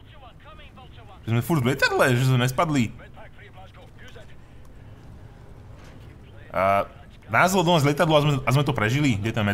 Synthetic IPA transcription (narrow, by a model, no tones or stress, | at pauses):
ʒɛzmɛfuɾd̪ʋlʲɛt̪ad̪lɛʒɛzmɛɲɛspad̪li | naːzlɔd̪ɔnaːzlʲɛt̪ad̪lɔʊazmɛazmɛt̪ɔpɾɛʒiliɡɟɛt̪amːɛ